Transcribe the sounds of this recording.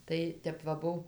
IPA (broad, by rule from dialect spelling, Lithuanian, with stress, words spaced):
ˈtɐɪ ˈtʲɛp ʋɐ ˈbʊw